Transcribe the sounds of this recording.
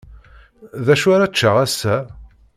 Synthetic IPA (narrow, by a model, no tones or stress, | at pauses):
ðæʃaɾat͡ʃːəʁæsːæ